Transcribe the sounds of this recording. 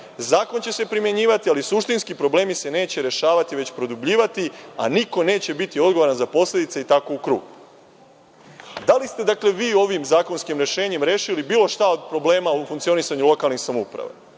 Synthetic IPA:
zaːko̞nt͡ɕe̞se̞pɾimje̞ɲiːʋat̪ialisuʃt̪inskipɾo̞ble̞ːmise̞ne̞ːt͡ɕe̞ɾe̞ʃaːʋat̪iʋe̞t͡ɕpɾo̞d̪ubʎiːʋat̪ia̰niko̞neːt͡ɕe̞bit̪io̞d̪ɡo̞oɾanzapo̞sle̞d̪it̪seit̪ako̞ukɾṵːɡu | d̪alist̪e̞d̪akle̞ʋiːo̞ʋimzaːko̞nskimɾe̞ʃe̞ːɲe̞mɾe̞ːʃilibiːlˠo̞ʃt̪ao̞d̪̚pɾo̞ble̞ːmaufuŋkt̪sio̞nisaɲulˠo̞kalˠnixsamoupɾa̰ʋḛ

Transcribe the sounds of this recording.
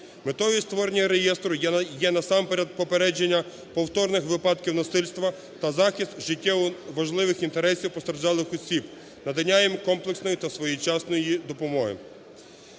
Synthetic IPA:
met̪ɔʋist̪ʋɔɾenʲːɐɾejɛst̪ɾʊjjɛnɐsɑmpeɾʲɐd̪̚pɔpeɾɛd͡ʒenʲːɐ | pɔwt̪ɔrnɪxʋɪpɑd̪kʲiwnɐsɪlʲst̪ʋɐ | t̪ɐzɑxʲist̪ʒɪtʲːawʋɐʒlˠɪʋɪxint̪eɾɛsʲiwpɔst̪ɾɐrʒɑlˠɪxɔsʲib | nɐd̪ɐnʲːajɪmkɔmplˠeksnɔjit̪ɐsʋɔjit͡ʃɑsnɔjjid̪ɔpɔmɔɦɪ̰

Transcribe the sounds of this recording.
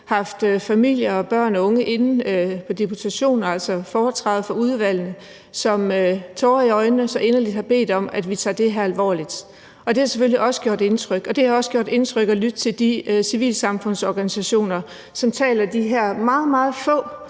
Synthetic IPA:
hɑ̈fd̥fæmil̰jɐɒ̽b̥ɶɐ̰nɒ̽ɔ̽ŋəʔe̝nn̩pʰɒ̽d̥epʰut͡sʰæɕo̝̰ːnæl̰sɒ̽fɒːt͡sʰʁɑ̈ːð̩ˠfɒ̽uð̞ˠʋæl̰n̩ə | sɒ̽møt͡sʰɒːiɒ̽ɪnːəsɒ̽ʔe̝nɐlid̥hɑ̈b̥e̝̰ːd̥ɒ̽mæd̥ʋit͡sʰɑ̰̈ːd̥e̝ɦæɐælʋɒ̰ːlid̥ | ʔɒ̽d̥e̝hɑ̈seføliʔɒ̽sə̥ɡ̥jo̝ɐ̰d̥e̝nt͡sʰʁœɡ̥ɒ̽d̥e̝hɑ̈ɒ̽sɡ̥jo̝̰d̥e̝nt͡sʰʁœɡ̥ɒ̽lyd̥̚t͡sʰe̝ld̥isiʋḭːlsɑ̈mfɔ̽n̰sɒːɡ̥ænisæɕo̝̰ːnɐ | sɒ̽mt͡sʰɛ̰ːlɐd̥iɦæɐ̰mɑ̈ːð̞̩ˠmɑ̈ːð̞̩ˠfɔ̰̽ː

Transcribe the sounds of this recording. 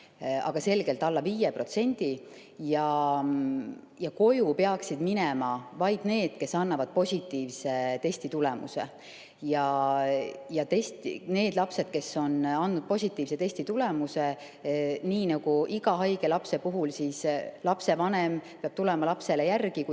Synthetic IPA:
ɑ̰ɡ̥ɑse̞lɡ̥e̞lt̪ːˑɑlːɑviːjepro̞t̪se̞nʲd̪̥i | jɑ | jɑko̞jupeɑksid̪̥minɛmɑvɑjd̪̥ne̞ːd̪̥ke̞sɑnːɑvɑd̪̥̚po̞sʲit̪ːˑiːvse̞t̪e̞sʲt̪it̪ulɛmṵse̞̰ | jɑ | jɑt̪esʲt̪ine̞ːd̪lɑpse̞d̪̥ke̞sːo̞nɑnd̪ud̪̥̚po̞sʲit̪ːˑiːvse̞t̪e̞sʲt̪it̪ule̞muse | niːnɑɡ̥uʔiɡ̥ɑɦɑjɡ̥e̞lɑpse̞puɦulsislɑpse̞vɑnempeɑb̥t̪ulɛmɑlɑpse̞lejærɡ̥iku

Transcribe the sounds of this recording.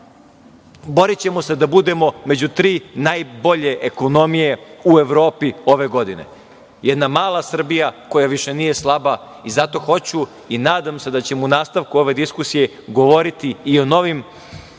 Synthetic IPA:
bo̞ɾit͡ɕe̞mo̞se̞d̪abud̪e̞mo̞me̞d͡ʑut̪ɾiːnaːjbo̞ʎe̞ʔeko̞no̞mije̞ue̞ʋɾo̞ːpio̞ʋe̞ɡo̞d̪ine̞̰ | jed̪namaːlˠasr̩bijako̞jaʋiʃe̞nije̞slˠaba | izat̪o̞xo̞t͡ɕu | inaːd̪amse̞d̪at͡ɕe̞mounaːst̪aʋkuo̞ʋe̞d̪iskusije̞ | ɡo̞ʋo̞ɾit̪iːo̞no̞ʋim

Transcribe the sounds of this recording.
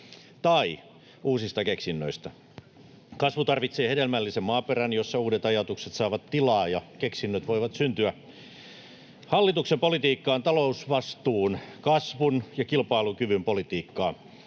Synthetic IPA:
t̪ɑi | ʔuːsist̪ɑkeksinːø̰ist̪ɑ | kɑsʋut̪ɑrʋit̪seːhedelmælːisemmɑːperænjosːɑuːdet̪ɑjɑt̪ukset̪sɑːʋɑt̪tilɑːjɑkeksinːøt̪ʋoiʋɑt̪synt̪yæ | hɑlːit̪uksempolit̪iːkːɑːnt̪ɑlousʋɑst̪uːnkɑsʋunjɑkilpɑilukyʋympolit̪iːkːɑː

